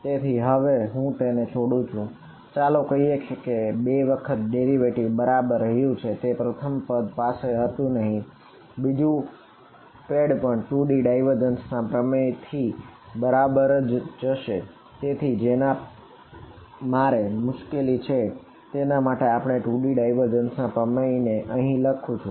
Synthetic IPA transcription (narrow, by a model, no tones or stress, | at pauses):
t̪et̪ʰiɦəʋeɦũt̪enet͡ʃʰoɽũt͡ʃʰũ | t͡ʃalokəɦiekekebeʋəkʰət̪̚ɖeɾiʋeʈibəɾabəɾːəɦjũt͡ʃʰet̪epɾət̪ʰəmpəd̪paseɦət̪ũnəɦĩ | bid͡ʒũ | peɽpəɳʈuɖiɖaiʋəɾd͡ʒənsnãpɾəmət̪ʰibəɾabəɾd͡ʒd͡ʒəʃe | t̪et̪ʰid͡ʒena | maɾemʊʃkelit͡ʃʰe | t̪enamaʈeapəɳ̃eʈuɖiɖaiʋəɾd͡ʒənsnãpɾəməineʔəɦĩləkʰũt͡ʃʰũ